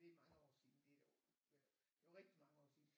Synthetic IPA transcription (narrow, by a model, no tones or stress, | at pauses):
d̥emɑ̈ŋəɒ̰ːsḭːn̩d̥e̥ɒ̰̥ | eɐʁɛɡ̥d̥imɑ̈ŋəɒ̰ːsḭ